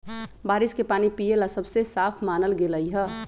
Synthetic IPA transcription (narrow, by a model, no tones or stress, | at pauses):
baːɾɪskepaːnipijelasəbsesaːpʰmaːnəlɡeləiɦɛː